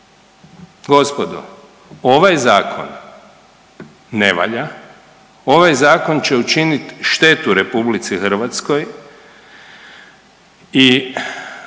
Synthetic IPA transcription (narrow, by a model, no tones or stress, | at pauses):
ɡo̞spod̪o̰ | o̞ʋajzaːkʰo̞̰n | e̞ʋa̰ʎa | o̞ʋajzaːko̞nt͡ʃe̞ut͡ʃinit̪ʃt̪e̞t̪uɾe̞publit̪sixr̩ʋat̪sko̞j | i